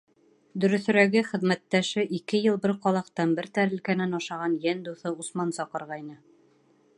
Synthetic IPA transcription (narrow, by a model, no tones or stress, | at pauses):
d̪ɵ̆ɾɵ̆θɵ̆ɾæɡɘχɘ̆ðmæt̪ːæʃɘʔikɘjɤlˠbɘɾqɒlˠɑqt̪ɑnbɘɾt̪æɾɘ̆lkænænɑʃɑʁɑnjænd̪uθɤusmɑnsɒqɤ̆ɾʁɑjnɤ